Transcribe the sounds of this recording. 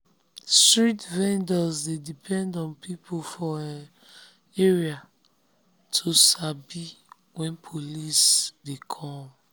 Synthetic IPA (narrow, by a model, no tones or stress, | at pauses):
stɹitvɛ̃ndɔzdedipʰɛ̃ndɔ̃npipʰofɔan | eɹia | tʰosabi | wɛ̃npʰolisdekʰɔ̃m